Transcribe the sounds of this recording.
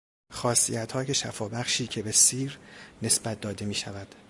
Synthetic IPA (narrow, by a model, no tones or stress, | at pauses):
xɒːsḭjæt̪ʰhɒːjeʃæ̰fɒːbæχʃiːcʰe̞be̞siːɾne̞sbæt̪̚d̪ɒːd̪e̞miːʃævæd̪̥